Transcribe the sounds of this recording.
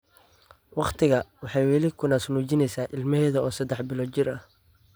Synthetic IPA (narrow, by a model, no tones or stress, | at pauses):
wɑqt̪ʰɪɣɐwɑħɑjwɛlɪkʰʊnaːsnuːt͡ʃɪnɛjsaːʔɪlmɐhɛːðɐɔːsɐd̪ɛħbɪlɔːt͡ʃɪrɐh